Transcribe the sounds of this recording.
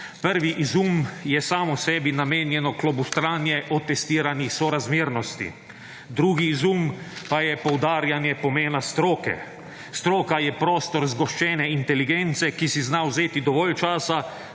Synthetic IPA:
pəɾʋiʔizumjɛsaːmɔsɛːbinameːnjɛnɔklɔbust̪ɾaːnjɛʔɔt̪ɛst̪iːɾanixsɔɾazmiːɾnɔst̪ḭ | d̪ɾuːɡiːzum | pajɛpɔwd̪aːɾjanjɛpɔmeːnast̪ɾoːkɛ̰ | st̪ɾoːkajɛpɾɔːst̪ɔɾzɡɔʃt͡ʃɛːnɛint̪ɛliɡent̪sɛkisiznawzeːt̪id̪ɔʋɔːlt͡ʃaːsa

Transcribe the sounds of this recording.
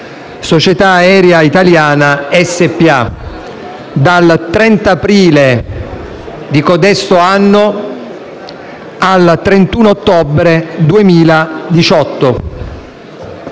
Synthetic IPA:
sot͡ʃet̪aːɛːɾjait̪aljaːnaɛsːepːia | d̪alt̪ɾɛnt̪aːpɾiːle | d̪ikod̪ɛst̪oanːo | alt̪ɾent̪uːnot̪ːobɾed̪uemiːlad̪it͡ʃɔt̪ːo

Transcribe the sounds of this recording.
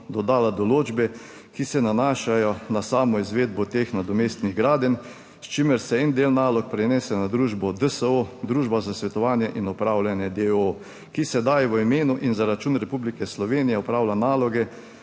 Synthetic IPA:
d̪ɔd̪aːlad̪ɔloːd͡ʒbɛ | kisɛnanaːʃajɔnasaːmɔizʋeːd̪̚bɔt̪exnad̪ɔmeːst̪niɣɡɾaːd̪ɛn | st͡ʃimɛɾsɛɛnd̪eːlnaːlɔk̚pɾɛnɛːsɛnad̪ɾuːʒbɔd̪əsəod̪ɾuːʒbazasʋɛt̪ɔʋaːnjɛʔinɔpɾaːwlanjɛd̪eo | kisɛd̪ajʋəimeːnuʔinzaɾat͡ʃuːnɾɛpublikɛslɔʋeːnijɛɔpɾaːwlanaːlɔɡɛ

